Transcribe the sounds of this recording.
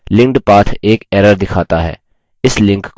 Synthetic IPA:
lɪ̃ŋɖpaːt̪ʰeːkɛːɾəɾd̪ɪkʰaːt̪aɦɛ̰ː | ɪslɪ̃ŋkk

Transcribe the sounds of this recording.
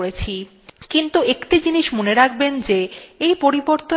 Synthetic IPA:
ɾet͡ɕʰi | kint̪uekʈid͡ʑiniʃmoneɾak̚bend͡ʑeejpoɾiboɾt̪o

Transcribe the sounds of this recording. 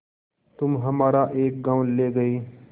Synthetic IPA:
t̪ʊmɦɐmaːɾaʔeːk̚ɡãːwleːɡɐiː

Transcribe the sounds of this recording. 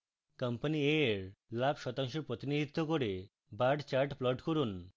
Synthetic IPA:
kəmpanieɾlabʃɔt̪aŋʃoɾpɾot̪inid̪ʱit̪ːokoɾe | baɾɖt͡ɕaɾʈplɔʈkoɾun

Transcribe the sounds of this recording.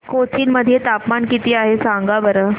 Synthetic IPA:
kot͡ɕʰiːnməd̪ʱːijet̪apmankit̪iːaɦesaŋɡabəɾə

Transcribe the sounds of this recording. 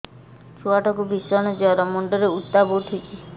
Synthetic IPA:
t͡ʃʰuaʈɔkubisɔñɔd͡ʒɔɾɔmɔɳɖɔɾeut̪ːaboʈʰit͡ʃʰi

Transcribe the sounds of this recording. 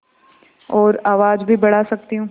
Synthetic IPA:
ɔːɾaːʋaːd͡ʒbʱibɐɽ̤asɐk̚t̪iɦũː

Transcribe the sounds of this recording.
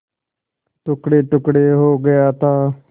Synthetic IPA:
ʈʊkɽeːʈʊkɽeːɦoːɡəjaːt̪aː

